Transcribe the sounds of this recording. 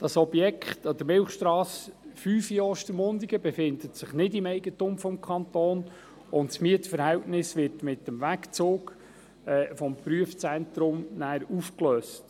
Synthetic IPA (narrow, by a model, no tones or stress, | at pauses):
d̥ɑsɔbjɛkχtɔd̪əɾmɪlχʃtɾɑːsfyːfjɔʃtəɾmʊndiɡ̥əbɛfɪnd̪ətsɪχnɪdɪmɛɪɡətʊmfɔmkʰɑnt̪oːn | ʊntsmiətfəɾhɛltnɪsʋɪɾtmɪtːəmʋækt͡soːk | ɛːfɔmpryəft͡sɛnt̪ɾʊmnæːɾufklœːst